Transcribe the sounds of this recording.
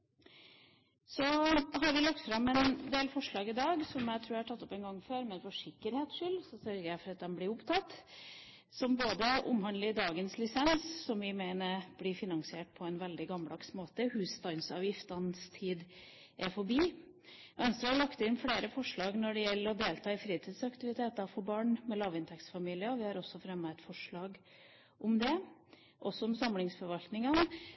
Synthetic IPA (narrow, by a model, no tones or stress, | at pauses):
sɔɦɑɾʋɪlɑkt̪fɾɑmɛnd̪eːlfɔʂɭɑːɡɪd̪ɑːɡsɔmjæɪt̪ʰɾuːɾæhɑʈʰɑt̪ːɔpɛnɡɑŋːføːɾmɛnfɔʂɪkːəɾheːt̪ʂʏlːsɔsœɾɡəɾjæɪfɔɾɑt̪̚d̪ɛmblɪɾʊpt̪ʰɑt̪ː | sɔmboːd̪əʔʊ̰mhɑnd̪ləɪd̪ɑːɡənslɪsɛnssɔmʋɪmeɪnəɾb̥lɪfɪnɑŋsɪeːʈ̚pʰɔɛnʋɛld̪ɪɡɑməld̪ɑksmoːt̪əhʉːst̪ɑnsɑ̰ːʋjɪft̪ɑnst̪ʰiːd̪ | ʔɛfɔbiː | ʋɛnst̪ɾɑɑɭɑkt̪ɪnfleːɾəfɔʂɭɑːɡnɔɖɛjɛlːəɾɔd̪eːlt̪ʰɑːɪfɾiːt̪ʰiːd̪sɑkt̪ɪʋɪt̪ʰeːt̪ɑfɔɾbɑːɳmɛlɑːʋɪnt̪ɛksfɑmiːlɪəɔʋɪhɑɾɔsːɔfɾɛmːəɛt̪fɔʂɭɑːɡ | ʔʊmd̪ɛ | ʔɔsːɔʊmsɑmlɪŋsfɔɾʋɑlt̪nɪŋən